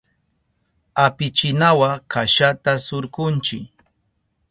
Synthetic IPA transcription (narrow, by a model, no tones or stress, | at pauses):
apɪt͡ʃɪnawakaʃat̪asʊɾkʊnt͡ʃɪk